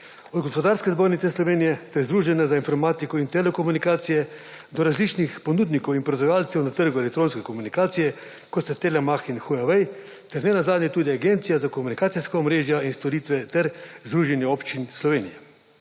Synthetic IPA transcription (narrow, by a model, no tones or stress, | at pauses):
ɔd̪ɡɔspɔd̪aːɾskɛzboːɾnit̪sɛslɔʋeːnijɛst̪ɛzd̪ɾuːʒɛnɛzainfɔɾmaːt̪ikɔint̪ɛlɛkomunikaːt̪sijɛ | d̪ɔɾazlit͡ʃnixponuːd̪nikowinpɾɔzajaːlt̪sɛwnat̪əɾɡʊelɛk̚t̪ɾoːnskɛkɔmunikaːt̪sijɛ | kɔt̪st̪ɛt̪elɛmaxinxujaʋɛj | t̪ɛɾnɛnazaːd̪nʲjɛt̪uːd̪iaɡent̪sijazakomunikaːt̪iskaɔmɾeːʒjainst̪ɔɾiːt̪ʋɛt̪ɛɾzd̪ɾuːʒɛnjɛopt͡ʃinslɔʋeːnijɛ